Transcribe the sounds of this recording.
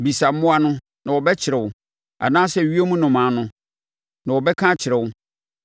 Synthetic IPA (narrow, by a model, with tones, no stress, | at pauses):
bi˨sa˨˦mʊ̃˦a˦nʊ̃˦ | nã˨wɔ˨bɛ˦t͡ɕʰɪ˨ɾɛ˨wʊ˨ | a̰˨nãː˦sɛ˦˨ɥi˦e˦mũ˦nʊ̃˨mã˨˦nʊ̃˦ | nã˨wɔ˨bɛ˦kʰã˦t͡ɕʰɪ˨ɾɛ˨wʊ˦